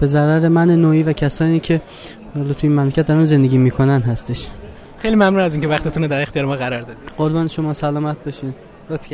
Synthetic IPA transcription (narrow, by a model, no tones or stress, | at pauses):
b̥e̞zæɾæɾe̞mænenoːiːvæcʰæsɒːniːcʰe̞ | ɒːlɒt̪ʰuiːnmæmlecʰæt̪̚d̪ɒɾænze̞nd̪e̞ɟʲiːmiːkʰo̞nænɦæst̪e̞ʃ | xejlimæmnunæziːncʰevæxt̪et̪unod̪æɾext̪ijːɾemɒːɣæɾɒːɾd̪ɒd̪iɢ̥oɾbɒːneʃomɒːsælɒːmæt̪̚ʰbɒʃi | ɾt̪